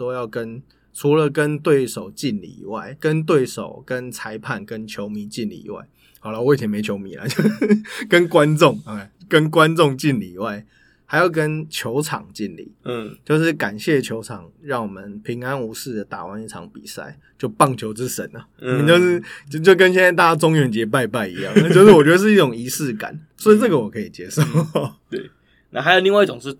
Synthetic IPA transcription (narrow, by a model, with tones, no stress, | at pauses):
ɔ˥jɑ˥˩ʊkə˦n | t͡sʰu˧˥lə˨kə˦˥nt̪we˥˩ɪʂo˨˩ʊt͡ɕi˥˧nlḭ˨˩ḭ˨˩wa˥˩ɪkə˦˥nt̪̬we˥˩ɪʂo̰˨˩ʊkə˦nt͡sʰa˧˥ɪpʰa˥˨nkə˦˥nt͡ɕʰjo˧˥ʊmi˧˥˦t͡ɕi˥˧nlḭ˨˩ḭ˨˩˦wa̰˥˩ɪ | hɑ˨˩ʊla˦w̪ʰjɛ˧˥me˧˥ɪt͡ɕʰjo˧˥ʊmḭ˨˦lɐ̰˨t͡ɕjo˥˧ʊkə˦nkwa˦nt͡sʊ˥˨˩ŋ˩˨˩kə˦nkwa˦nt͡sʊ˥˧ŋt͡ɕi˥˨˧nli˨˩i˨˩wa˥˩ɪ | ha˧˥ɪjo˨˩ʊkə˦nt͡ɕʰjo˧˥ʊt͡sʰɑ̰˨˩ŋt͡ɕi˥˨nlḭ˨˩˦t͡ɕjo˥˧ʊʂ̬ɻ̩˥˩ka˨˩nɕjɛ˥˩t͡ɕʰjo˧˥ʊt͡sʰɑ˨˩ŋɻɑ˥˩ŋwɔ˨˩mə˨˦npʰi˧˥ŋa˦nu˧˥sɹ̩˥˩d̪ə˩t̪a̰˨˩wa˧˦ni˥˩ʈ͡ʂʰɑ̰˧˥ŋpḭ˨˩sa̰˥˩ɪ | t͡ɕjo˥˧ʊpɑ˥˩ŋt͡ɕʰjo˧˥ʊʈ͡ʂɻ̩˦ʂə̰˧˦nɐ˨˩˨ni˨t͡ɕjo˥˧ʊʂɻ̩˥˩t͡ɕt͡ɕjo˥˩ʊkə˦nɕjɛ˥˧nt͡sa˥˧ɪt̪a˥˩t͡ɕa˥t͡sʊ˥ŋɥɛ˧˥nt͡ɕjɛ˧˥p̬a˥˧ɪp̬a˥˩ɪḭ˨˧˦jɑ˥˩ŋ˧a˥˧˩t͡ɕo˥˧ʊʂɻ̩˥˩wɔ˨˩t͡ɕɥɛ˧˥d̪ə˧ʂ̬ɻ̩˥˧i˥˩ʊ˨˩ŋi˧˥sɹ̩˥˩˨ka̰˨˩˦nsɔ˧˥i˨˩t͡sə˥˩ɡə˩wɔ˨˩kʰə˧˦i˨˩t͡ɕjɛ˧˥˦ʂo˥˩ʊ | t̪e˥˩ | na˥˩xa˧ɪjo˨˩li˥˧wɪi˥˩ʈ͡ʂʊ˨ŋʂɻ̩˥˨˩